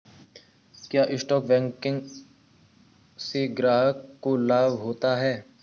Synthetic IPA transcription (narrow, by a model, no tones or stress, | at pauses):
kjaːʔɪsʈɔːkbɛ̃ːŋkɪ̃ŋɡ | seɡɾaːɦəkːolaːbɦoːt̪aɦɛː